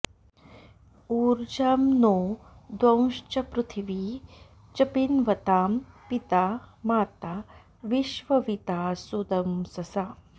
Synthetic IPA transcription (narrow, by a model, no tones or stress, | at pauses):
uːɾd͡ʒaːmnoːd̪wɐ̃w̃ʃt͡ʃɐpɾut̪ʰiʋiː | t͡ʃɐpinʋɐt̪aːmpit̪aːmaːt̪a | ʋiʃʋɐʋit̪aːsud̪ɐmsɐsaː